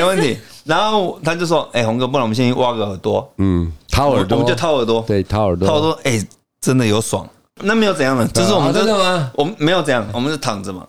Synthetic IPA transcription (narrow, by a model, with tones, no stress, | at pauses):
wə˥˩nt̪ʰi˧˥˦ | na˧˥no˥˩ʊt̪ʰa˥t͡ɕjo˥˧ʊʂʂwɔ˥ʔe˥˩xʊ˧˥ŋkp̬u˥˩ɑ˨˩˨ɕɛ˥˧i˥nwa˥ɡə˨˩ə˨˩˦t̪wɔ˥˩t̪ʰa˥˦˨mə˦t͡ɕjt̪ʰa˥ʊə˨˩t̪̬wɔ˥˩˥ə˨˩a˥˧˥wɔɔ˥e˥˩ | ʈ͡ʂə˥nd̪ə˨jo˧˥ʊswɑ̰˨˩˦ŋ | n˥˩me˧˥jo˧˥t͡sjɑ˥˩ŋnə˨˩t͡ɕʰi˧˥ʂ̬ɻ̩˥˩wɔ˨˩mə̃˧˦˥t͡ɕo˥˧ʊwʔɔ˨˩mə˦me˧˥ɪjʊt͡sʈ͡ʂɤ˧jɑ˥˩ŋwɔ˨˩mə˦t͡ɕjo˥˩ʊt̪ʰɑ˨˩ŋd͡z̩˨mɐ̰˨˩